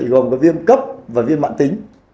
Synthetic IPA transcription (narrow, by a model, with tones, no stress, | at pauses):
jɣɔ˨˩nkɔ˨˦vi˧əmkə˦˥p̚vaː˨˩vi˧ənma̰ː˧˨nt̪ï˨˦ŋ̟